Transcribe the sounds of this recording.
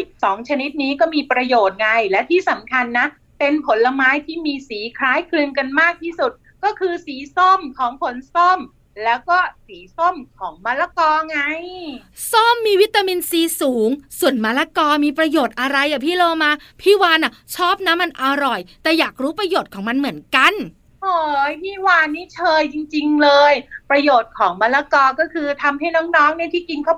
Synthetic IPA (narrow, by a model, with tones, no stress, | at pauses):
sɔː˩˦ŋt͡ɕʰa˧ni˦˥t̪̚niː˦˥kɔː˥˩miː˧pɾa˧joː˨˩t̪̚ŋa˧jlɛ˦˥wt̪ʰiː˥˩sa˨˩˦mkʰa˧nːa˦˥ | pe˧npʰo˩˦nla˧maː˦˥jt̪ʰiː˥˩miː˧siː˩˦kʰɾaː˦˥jkʰlɯː˧nka˧nmaː˥˩k̚t̪ʰiː˥˩su˨˩t̪̚ | kɔː˥˩kʰɯː˧siː˩˦so˥˩mkʰɔː˩˦ŋpʰo˨˩˦nso˥˩m | lɛː˦˥wkɔː˥˩siː˩˦so˥˩mkʰɔː˩˦ŋmaː˧˥la˧˥kɔː˧ŋa˧jso˥˩mːiː˧wi˦˥t̪ːaː˧miː˧nsiː˨˦suː˩˦ŋsu˨˩ənmaː˧˥la˧˥kɔː˧miː˧pɾa˧joː˨˩t̪̚ʔa˧ɾa˧jʔa˨˩pʰiː˥˩loː˧maː˧pʰiː˥˩waː˧nʔa˨˩t͡ɕʰɔː˥˩p̚na˦˥ma˧nʔa˧ɾɔ˨˩jt̪ɛː˨˩jaː˨˩k̚ɾuː˦˥pɾa˧joː˨˩t̪̚kʰɔː˩˦ŋma˧nmɯ˩˦ənka˧n | ʔoː˨˩jpʰiː˥˩waː˧nːiː˦˥˩t͡ɕʰɤː˧jt͡ɕi˧ŋt͡ɕi˧ŋlɤː˧jpɾa˧joː˨˩t̪̚kʰɔː˩˦ŋma˧˥la˧˥kɔː˧kɔː˥˩kʰɯː˧t̪ʰa˧mɦa˥˩jnɔː˦˥ŋnɔː˦˥ŋna˥˩˨t̪ʰiː˥˩t͡ɕi˧nkʰa˥˩w